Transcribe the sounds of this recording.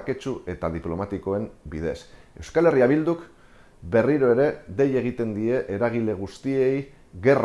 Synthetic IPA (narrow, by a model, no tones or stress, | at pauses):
ke̞t͡ʃue̞t̪aðiplo̞mat̪iko̞e̞mbiðe̞se̞wskale̞riaβild̪uk | be̞riɾo̞e̞ɾe̞d̪e̞je̞ɣ̞it̪e̞nd̪ie̞ʔeɾaɣ̞ile̞ɣ̞ust̪ie̞j | ɣe̞r